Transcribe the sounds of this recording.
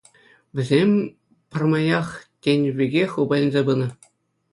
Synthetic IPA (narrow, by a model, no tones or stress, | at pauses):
ʋʲɘ̆zʲemʲ | pʲɘ̆rmɑjɑχtʲenʲβʲiɡʲexʲubɑjʲĭnʲzʲebɯnɤ̆